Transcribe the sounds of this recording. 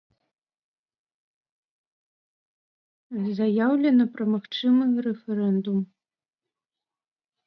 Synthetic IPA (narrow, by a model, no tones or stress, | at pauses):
zɐjawlʲɛnɐpɾɐmaxt͡ʂɨmɨɣɐɾɛfɛɾɛnd̪um